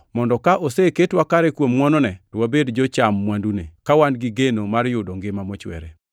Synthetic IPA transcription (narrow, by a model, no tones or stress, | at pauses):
mɔndɔkaʔoseketwakaɾɛkwomŋwɔnɔnɛtɔwabedd͡ʒot͡ʃamːwandunekawanɡɪɡenomarjʊdoŋɡɪmamot͡ʃwɛ̰ɾḛ